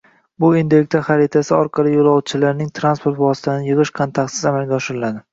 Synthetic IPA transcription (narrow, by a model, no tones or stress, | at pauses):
bʊind̪ek̚ʲt̪ʰaχaɾɪt̪ʰasɪɒɾqʰɑlˠɪjolˠɒwt̪̚t͡ʃʰɪlaɾnɪŋt̪ʰɾanspʰo̞ɾt̪vɒsɪ̥t̪ʰanɪjɨʁɨʃkʰont̪ʰakt̪sɪzamalˠɡʲaɒʃɪɾɪlad̪ɪ